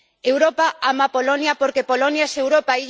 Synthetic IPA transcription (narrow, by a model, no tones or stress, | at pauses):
ewɾopaamapolonjapoɾkepolonjasewɾopaiʎ